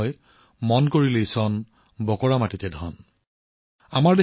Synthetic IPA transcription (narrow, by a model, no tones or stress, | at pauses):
j | mɔnkoɹileisɔn | bɔkɔɹamatitɛdʱɔ̰n | amaɹde